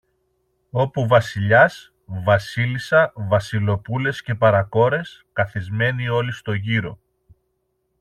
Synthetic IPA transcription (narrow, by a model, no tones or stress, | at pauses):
o̞puvɐsiʎɐs | vɐsilisɐvɐsilo̞pule̞sce̞pɐɾɐko̞ɾe̞skɐθizme̞nio̞list̪o̞ʝiɾo̞̰